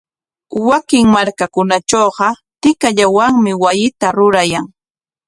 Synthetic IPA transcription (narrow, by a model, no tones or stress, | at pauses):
wakɪŋmaɾkakʊnat͡ʃoːɢɑt̪ɪkaʎawaŋmɪwajɪt̪aɾʊɾajaŋ